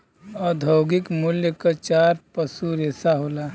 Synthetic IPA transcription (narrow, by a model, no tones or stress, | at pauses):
ɔd̪ʱəwɡɪkmʊljəkat͡ʃaːɾpəsuɾeːsaɦola